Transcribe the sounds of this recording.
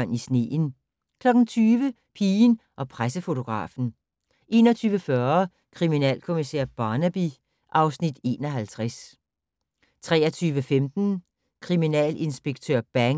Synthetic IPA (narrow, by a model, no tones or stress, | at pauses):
nisne̝̰ːn | kʰlɒ̽ɡ̥n̩t͡sʰyːʋə | pʰiːnʔɒ̽pʰʁasəfo̝t͡sʰo̝ɡ̥ʁɑ̰̈ːfn̩ | ʔe̝̰ːnɒ̽t͡sʰyːʋəfɶɐ | kʰʁiminɛ̰ːlkʰo̝misɛɐ̰b̥ɑ̈ːnæb̥i | ʔɑ̈ʊsnid̥e̝̰ːnɒ̽ɦælt͡sʰʁas | t͡sʰʁɛ̰ːɐt͡sʰyːʋəfemd̥n̩ | kʰʁiminɛ̰ːle̝nsb̥e̝ɡ̥̚t͡sʰøɐ̰b̥æŋ